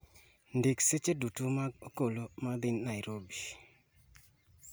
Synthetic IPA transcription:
ndikset͡ʃedutumaɡokolomad̪ɪnːajɾobi

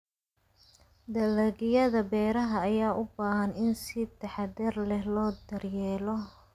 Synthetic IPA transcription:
d̪ɐlɐɣɪjɐðɐbɛːɾɐɦɐːjaːʔʊbaːɦɐnɪnsɪt̪ʰɐħɑd̪ɛrlɛhlɔːd̪ɐrjɛːlɔ

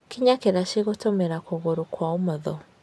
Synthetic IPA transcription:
kiɲakeɾaʃeɣotomeɾakoɣoɾokwaomɔðɔ

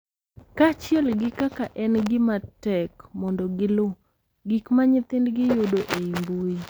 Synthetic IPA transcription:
kat͡ʃɪɛlɡɪkakaʔɛnɡɪmatɛkmɔndɔɡɪlʊ | ɡikmaɲɪt̪ɪndɡɪjʊdoʔeimbui

